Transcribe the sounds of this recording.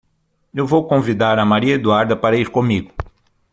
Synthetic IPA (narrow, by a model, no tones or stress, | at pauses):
ewvowkõvid̪aɾɐmaɾiɐed̪uaɾd̪ɐpaɾɐiɾkõmiɡʊ